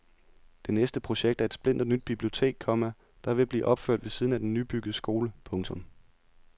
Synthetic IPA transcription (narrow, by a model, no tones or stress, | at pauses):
d̥e̝nesd̥əpʰʁo̝ɕeɡ̥̚d̥æɐed̥sb̥le̝n̰d̥nyd̥̚b̥ib̥lio̝t͡sʰe̝̰ːɡ̥̚kʰɒ̽mæ | d̥ɑ̈ʋe̝b̥lḭːʔɒ̽b̥føɐ̰d̥ʋe̝siːð̞ˠn̩æd̥enːyb̥yɡ̥əð̩ˠəsɡ̥o̝ːləpʰɔ̽ŋt͡sʰɔ̽m